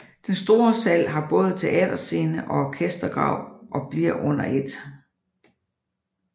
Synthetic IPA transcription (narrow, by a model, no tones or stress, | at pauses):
d̥ensd̥o̝ːɐsæl̰ɦɑ̈b̥ɔ̽ːð̞̩ˠt͡sʰe̝ʔɛ̰ːd̥ɐse̝ːnəʔɒ̽ɒkʰesd̥ɐɡ̥ʁɑ̰̈ʊ̰ʔɒ̽b̥liɐ̰ʔɔ̽n̰ɐʔe̝d̥